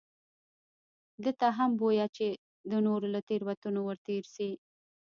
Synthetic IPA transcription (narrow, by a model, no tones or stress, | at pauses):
d̪ət̪aɦambojat͡ʃe | d̪ənoɾolat̪eɾwat̪unowəɾt̪eɾsi